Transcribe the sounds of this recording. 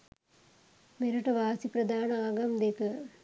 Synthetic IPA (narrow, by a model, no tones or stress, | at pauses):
meɾɐʈɐʋaːsipɾɐd̪ʱaːnɐaːɡɐmd̪ekɐ